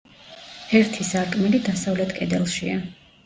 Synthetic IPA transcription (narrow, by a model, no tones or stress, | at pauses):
hɛɾt̪ʰisaɾkʼmilid̪asavlɛt̪ʰkʼɛd̪ɛlˠʃia